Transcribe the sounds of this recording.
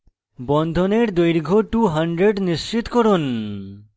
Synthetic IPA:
bɔnd̪ʱoneɾd̪ojɾɡʱoʈuɦɐɳɖɾeɖniʃt͡ɕit̪kɔɾun

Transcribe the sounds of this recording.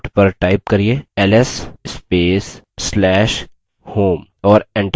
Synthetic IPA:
ʈpɐɾʈaːɪp̚kɐɾieːɛlɛsspeːsː | lɛːʃ | hoːmɔːɾɛ̃ɳʈ

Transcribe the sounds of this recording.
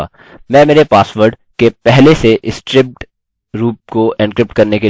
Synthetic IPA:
mɛ̃ːmeːɾepaːsʋəɾɖ | kepɛɦleseʔɪsʈɾɪp̚ʈ | ɾuːp̚koʔɛ̃ɳkɾɪp̚ʈkɐɾneke

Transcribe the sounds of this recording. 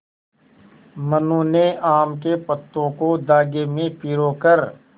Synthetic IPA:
mənuːneʔaːmkepət̪ːõkod̪aːɡemẽpiɾoːkəɾ

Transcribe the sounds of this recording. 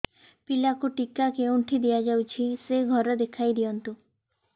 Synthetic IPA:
pilakuʈikakeuɳʈʰid̪ijad͡ʒawt͡ʃʰiseɡʱɔɾɔd̪ekʰajd̪ijɔnt̪u

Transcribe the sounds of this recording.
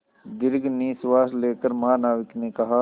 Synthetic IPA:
d̪ɪɾɡʱniːsʋaːsleːkəɾmɦaːnaːʋɪknekɐɦa

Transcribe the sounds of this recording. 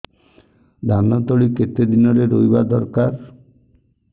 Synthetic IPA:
d̪ʱanɔt̪oɭiket̪ed̪inɔɾeɾojbad̪ɔɾkaɾ

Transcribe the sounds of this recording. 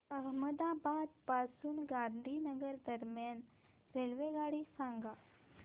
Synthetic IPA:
əɦməd̪abad̪pasuːnɡãnd̪ʱinəɡəɾd̪əɾmjan | ɾelʋeɡaɽiːsãŋɡa

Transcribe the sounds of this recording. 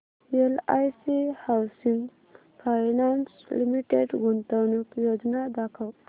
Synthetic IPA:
elajsihawsiŋɡ | pʰajnanslimiʈeɖɡunt̪əwnukjod͡ʒnad̪akʰɐw

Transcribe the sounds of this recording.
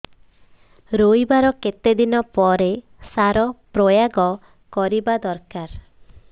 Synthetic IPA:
ɾojbaɾɔket̪ed̪inɔpɔɾe | saɾɔpɾojaɡɔ | kɔɾibad̪ɔɾkaɾ

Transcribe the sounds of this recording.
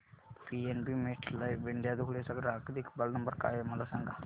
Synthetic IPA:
piːɛːnbiːmeʈʰlaiʋɪɳɖjaːd̪ukʰɽesəkɾaːkd̪iɪkbəlnəmbəɾka̰ːjeməlasɛ̃ŋɡaː

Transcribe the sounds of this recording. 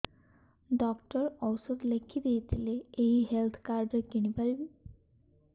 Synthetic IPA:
ɖɔkʈɔɾɔwsɔd̪lekʰːid̪ejt̪ʰileːɦiɦelt̪ʰkaɾd͡ʒɔkiñipalibi

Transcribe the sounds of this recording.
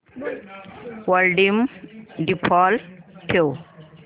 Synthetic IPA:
wəlɖimɖipʰɔlʈʰew

